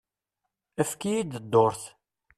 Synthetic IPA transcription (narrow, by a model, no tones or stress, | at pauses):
əfkijid̪əd̪ːoɾθ